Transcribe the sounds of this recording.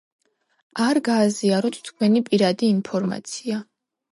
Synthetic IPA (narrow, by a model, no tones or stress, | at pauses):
aɾɡaːziaɾɔt̪ʰt̪ʰkʰwɛnipʼiɾad̪iːnpʰɔɾma̰t̪sʰia